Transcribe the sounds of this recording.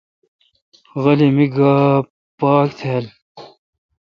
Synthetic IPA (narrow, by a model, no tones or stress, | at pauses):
ɣɐlimiɡa | paːkt̪ʰeːl